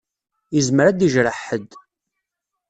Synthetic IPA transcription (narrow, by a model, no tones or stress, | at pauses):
izməɾæd̪iʒɾəħəd̪